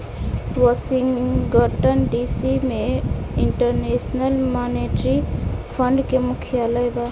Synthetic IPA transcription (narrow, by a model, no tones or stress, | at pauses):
ʋɔsiŋɡəʈənɖisimeiɳʈəɾnesnəlmaneʈɾipʰəɳɖkemukʰijaləjba